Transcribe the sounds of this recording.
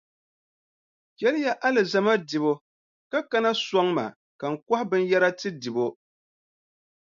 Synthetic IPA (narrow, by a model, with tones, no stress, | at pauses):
jɛ˦lɨ˦ja˦ʔa˦lɨ˨za˦ma˦dɨ˨bo˦ | ka˦ka˦na˦sɔ˦ŋma̰˨ | ka˨ŋ̩˨kɔ˦hbɨ˦n˦jɛ˦ɾa˦tɨ˦dɨ˨bo˦